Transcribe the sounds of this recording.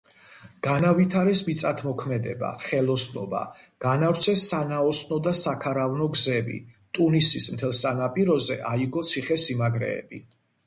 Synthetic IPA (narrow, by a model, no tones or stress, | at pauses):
ɡ̥anavit̪ʰaɾɛsmit̪sʼat̪ʰmɔkʰmɛd̪ɛ̰ba̰χɛlˠɔsnɔ̰ba̰ | ɡ̥anafɾt̪sʰɛsːanaɔsnɔd̪asakʰaɾavnɔɡzɛbḭ | t̪ʼunisismt̪ʰɛlˠsanapʼiɾɔzɛʔaiɡɔt̪sʰiχɛsimaɡɾɛ̰ːb̥ḭ